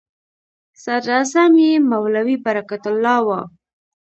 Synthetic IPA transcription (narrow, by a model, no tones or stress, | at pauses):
sad̪ɾazamjemawlawibaɾakat̪ʊlːɑwɑ